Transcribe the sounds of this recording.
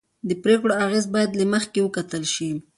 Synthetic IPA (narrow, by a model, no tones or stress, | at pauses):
d̪əpɾekɽoaɣezbɑjad̪laməxkewəkat̪əlʃi